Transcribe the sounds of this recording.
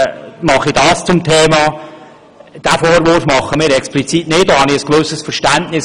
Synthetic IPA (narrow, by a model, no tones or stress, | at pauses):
mɑχid̥ɑːst͡sʊmtʰeːmɑː | d̥æfoːɾʋʊɾfmɑχːəmɪːɾɛksplit͡sitnɪt̚dohɑnɪəsɡ̥ʋɵsəsfəɾʃtæntnɪs